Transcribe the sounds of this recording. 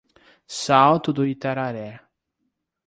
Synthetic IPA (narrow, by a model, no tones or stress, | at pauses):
sawt̪ʊd̪oit̪aɾaɾɛ